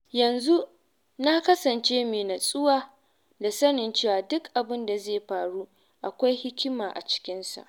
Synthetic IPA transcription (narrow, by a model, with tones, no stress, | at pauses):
jɐ˨nzu˦ | na˦kɐ˦sɐ˨nt͡ʃeː˦meː˨na˨sʼʊ˦waː˨ | da˨sɐ˦nɪ˨nt͡ʃeː˦˨waː˨dʊ˦kʔa˨bɪ˦nda˨zeː˦˨ɸaː˨ɽu˦ | ʔa˨kʷa˦jhɪ˦kʲɪ˦maː˨ʔa̰˨t͡ʃɪ̥˦kʲɪ˦nsa̰˨ʔ